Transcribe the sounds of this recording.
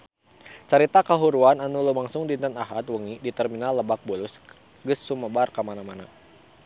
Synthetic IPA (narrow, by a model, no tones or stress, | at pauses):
t͡ʃəɾit̪akəɦuɾuananulumaŋsʊŋdint̪ənaɦat̪wəŋidit̪ɛrminalːəbak̚bulʊs | ɡəsːuməbarkəmanamana̰